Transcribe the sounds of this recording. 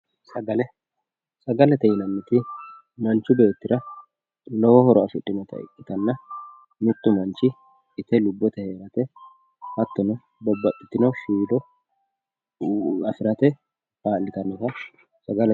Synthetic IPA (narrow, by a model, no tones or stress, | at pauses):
sɐɡɐlɛ | sɐɡɐlɛt̪ɛjɪnɐmːɪt̪ɪ | mɐnt͡ʃːʊbe̞ːt̪ːɪɾɐ | lɔwɔhɔɾɔɐfɪᶑʼːɪnɔt̪ɐ̰ɪ̰kʼːɪ̥t̪ɐnːɐ | mɪt̪ːʊmɐnt͡ʃɪː | t̪ɛlʊbːɔt̪ɛhe̞ːɾɐt̪ɛ | hɐt̪ːɔnɔ | bɔbːɐt̪ʼːɪ̥t̪ːɪnɔʃiːd̪ɔ | ɐfɪɾɐt̪ɛ | baːlːɪt̪ɐnːɔt̪ɐ | sɐɡɐlɛ